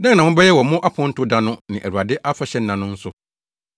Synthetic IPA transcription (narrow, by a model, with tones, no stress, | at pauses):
nã˦nã˨wʊ̃˦bɛ˦jɛ˦wɔ˨˦mʊ̃˦ʔa˦pʰʊ̃˦n̩˦tʰʊ˦dã˦nʊ̃˦nɪ̃˨ʔæ̰˨ɾu˨a˨dɪ˦ʔa˦fa˨ɕɛ˦n̩˦nã˨nʊ̃˦n̩˦sʊ˨